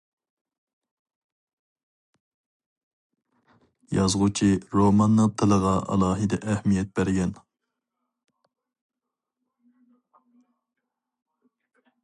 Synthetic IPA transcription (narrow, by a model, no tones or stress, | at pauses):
jɑzʁut͡ʃʰiɾomɑnːɨŋt̪ʰɨlˠəʁɑɑ̰lˠɑːɦɨd̪ɛʔɛhmijɛt̪̚bæɾɡʲɛn